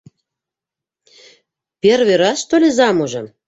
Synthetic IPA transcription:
pʲerβeɾɑst̪olʲezɑmoʒɤ̆m

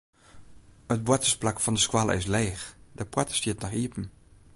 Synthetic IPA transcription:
ət̚bwɛtəsplakfɑndəskwalˠɪ̰sleːxdəpwɛtə̥stiətnɔχiəpən̩

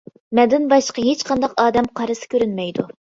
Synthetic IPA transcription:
mɛd̪ɪnbɑʃqʰɑɦet͡ʃqʰɑnd̪ɑqɑːd̪ɛmqʰɑɾɨsɨ̥kʲʰøɾynmɛjd̪u

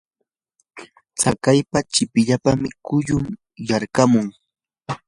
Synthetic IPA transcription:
t͡sakajpat͡ʃɪpɪʎapamɪkʊʎʊm | jaɾkamʊŋ

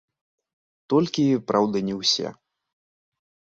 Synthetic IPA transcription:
t̪ɔlʲkʲipɾʔawd̪ɨnʲɛwsʲɛ̰

